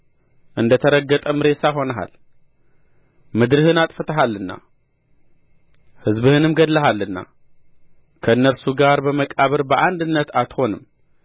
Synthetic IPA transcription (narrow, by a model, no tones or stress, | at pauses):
ʔɨnd̪ɐt̪ʰɐɾɐɡət̪ʼɐmɾe̞saxo̞nɐɦa̰l | mɨd̪ɾɨhɨnat̪ʼfɐt̪ʰɐɦalːɨnːa̰ | hɨzbɨhɨnɨmɡɐd̪lɐɦalːɨnːa̰ | kʰɐnːɐɾsuɡaɾbəmɐkʼaβɨɾbɐʔand̪ɨnːɐt̪ʰat̪ʰxo̞nɨm